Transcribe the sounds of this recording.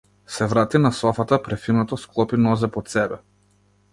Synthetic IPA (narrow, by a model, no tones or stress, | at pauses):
sɛvɾat̪inasɔfat̪apɾɛfinɔt̪ɔsklˠɔpinɔzɛpɔt̪sɛbɛ